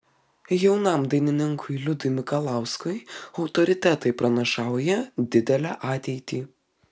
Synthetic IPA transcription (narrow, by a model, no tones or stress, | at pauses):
jɛʊnɐˑmd̪ɐɪnʲɪnʲɪŋkʰʊɪlʲʊd̪ʊɪmʲɪkɐlˠɑˑʊskʊɪɐʊt̪ɔɾʲɪt̪ʲæt̪ɐɪpɾɐnʲɐʃɑˑʊjɛd̪ʲɪd̪ʲɛlʲæʔɑːt̪ʲɛɪt̪ʲiː